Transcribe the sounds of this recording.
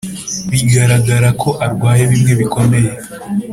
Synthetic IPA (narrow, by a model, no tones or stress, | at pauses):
βiɡaɾaɡaɾakʰo̞ʔaɾɡwaːje̞βimŋe̞βiko̞me̞je̞